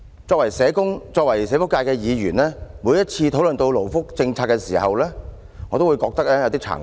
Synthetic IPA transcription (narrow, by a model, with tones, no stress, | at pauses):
t͡sɔː˧k̚wɐ˨˩jsɛː˨˧kʊ˥ŋt͡sɔː˧k̚wɐ˨˩jsɛː˨˧fʊ˥kːaː˧jkɛː˧jiː˨˧jyː˨˩nlɛː˥muː˨˧jɐ˥t̚t͡sʰiː˧t̪ʰo˨˥wlɵ˨nt̪o˧wlo˨˩wfʊ˥k̚t͡sɪ˧ŋt͡sʰaː˧tkɛː˧siː˨˩hɐ˨wlɛː˥ | ŋɔ˨˧t̪o˥wu˨˧jkɔː˧k̚t̪ɐ˥k̚lɛː˥jɐ˨˧wt̪i˥t͡sʰa̰ː˨˩ŋ